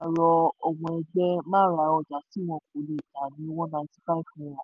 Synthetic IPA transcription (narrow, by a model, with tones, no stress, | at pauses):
ɾɔ˧o˨wɔ̃˧ɛ˧ɡ͡bɛ˦mã˦˨ɾa˨˦ɔ˧˨d͡ʒa˨si˨˦w̃ɔ̃˧k̚o˨˦le˨ta˨nĩ˨˦wɔ̃˦nã˧˦si̥˦fa˦i˦˨fũ˨˦˨wɔ̃˨